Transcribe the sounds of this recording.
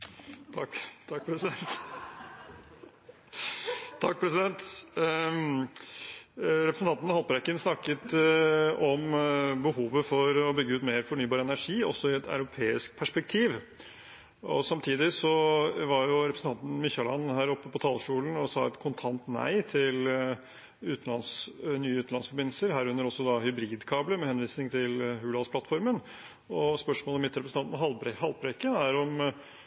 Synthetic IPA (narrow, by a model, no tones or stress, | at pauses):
t̪ʰɑkt̪ʰɑkːpʰɾɛsɪd̪ɛnt̪ | t̪ʰɑk̚ːpʰɾɛsɪd̪ɛnt̪ | ɾɛpɾəsn̩t̪ʰɑnt̪nhɑlpɾɛkːənsnɑkːət̪ | ɔmbəhuːʋəfɔɾɔbʏɡːəʉːt̪meːɾfɔɳyːbɑːɾəɛnæʂiːɔsɔɪɛt̪ʰa̰ʉɾʊpʰeːɪsk̚pʰæʂpɛk̚t̪ʰiːʋ | ɔsɑmt̪ʰiːd̪ɪsɔʋɑɾjʊɾɛpɾsn̩t̪ʰɑnt̪n̩mɪçːɑlɑ̰nːhæːɾɔpːəpɔt̪ʰɑːlʂʈuːln̩ɔsɑːɛt̪kʰʊnt̪ʰɑnt̪næ̰ɪt̪ʰɪl | ʉːt̪n̩lɑnsnyːəʉːt̪n̩ɑnsfɔɾbɪnl̩səɾɦæːɾʉnːəɾɔsːɔd̪ɑhʏbɾiːd̪kʰɑːbləmɛhɛnʋiːsnɪŋt̪ʰɪlhʉːlɑlspʰlɑt̪fɔɾmən | ɔspœʂmoːlɛmɪt̪ɾɛpɾəs̩ɑnɑhɑlpɾɛkːənæɾɔm